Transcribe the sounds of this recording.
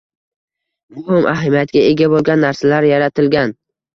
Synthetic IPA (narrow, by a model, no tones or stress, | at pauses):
mʊhɪmʔaɦɪmijat̪ɡʲae̞ɡʲabolˠɡʲanːaɾsalaɾjaɾat̪ʰɪlɡʲan